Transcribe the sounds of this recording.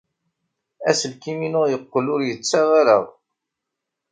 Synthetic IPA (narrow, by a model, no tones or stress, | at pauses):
æsəlkiminʊʁjəqːəlʊɾjət͡sːaʁaɾəʁ